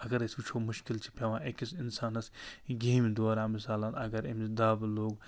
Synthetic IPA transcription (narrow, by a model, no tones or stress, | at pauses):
ɐɡɐɾiskut͡ʃʰoːmʊʃkɪlt͡ʃʰi̥pɐʋãːʔekisɪnsaːnɐsɡeːmid̪oaːɾãːmɪsaːlanɐ̰ɡɐɾɪmt̪ɪd̪aːbloːɡ